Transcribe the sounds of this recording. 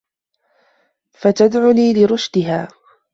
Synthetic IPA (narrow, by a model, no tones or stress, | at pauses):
fat̪ad̪ʕʊniːlɪɾʊʃd̪ɪɦaː